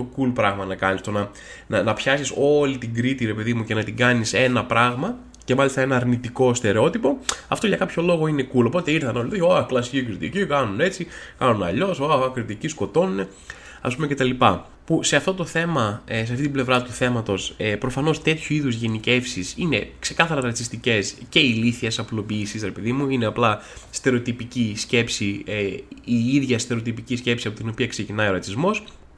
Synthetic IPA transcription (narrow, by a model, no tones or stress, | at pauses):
t̪o̞kulpɾɐɣmɐnɐkɐnist̪onɐ | nɐnɐpçɐsiso̞lit̪iɡɾit̪iɾe̞pe̞ðimuce̞nɐt̪iɡɐnise̞nɐpɾɐɣmɐ | ce̞mɐlist̪ɐe̞nɐːɾnit̪iko̞st̪e̞ɾe̞o̞t̪ipo̞ɐft̪oʝɐkɐpço̞lo̞ɣo̞ine̞kulo̞p̬o̞t̪e̞iɾθɐno̞lit̪oçoɐklɐsi̥cikɾit̪ḭcikɐnune̞t͡sikɐnunɐ̰ʎo̞soɐkɾit̪icisko̞t̪o̞nune̞ | ɐ̰s̬pumecet̪ɐlipɐ̰ | puse̞ɐft̪o̞t̪o̞θe̞mɐseɐft̪it̪ible̞vɾɐt̪uθe̞mɐt̪o̞spɾo̞fɐno̞st̪e̞t̪çuiðuzʝe̞nice̞fsisine̞̰kse̞kɐθɐɾɐɾɐt͡sist̪ice̞sce̞iliθiɐsɐplo̞piːsisɾepeðimuineɐplɐst̪e̞ɾo̞t̪ipicisce̞psi | iiðʝɐst̪e̞ɾo̞t̪ipicisce̞psiɐpo̞t̪ino̞piɐkse̞cinɐjo̞ɾɐt͡sizmo̞s